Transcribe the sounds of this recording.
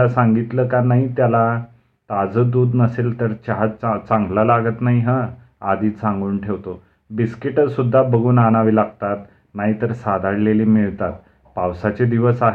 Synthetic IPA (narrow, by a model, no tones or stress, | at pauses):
asãŋɡit̪ləːkanaɦit̪jala | t̪ad͡zəd̪uːd̪nəselt̪əɾt͡ɕaɦat͡sat͡sãŋɡləlaɡət̪naɦiɦə | ad̪iːt͡sãŋɡuːnʈʰeʋt̪o | biskiʈəd͡zsud̪ʱːabəɡuːnanaʋilaɡ̚t̪at̪ | naɦit̪əɾsad̪ʱaɽleliːmiɭt̪at̪̚ | pawsat͡ɕed̪iʋəsaɦe